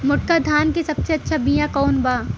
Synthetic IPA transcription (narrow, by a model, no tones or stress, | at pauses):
mʊʈ̚kad̪ʱaːnkesɐbseɐtːʃʰabijãkɔːnbaː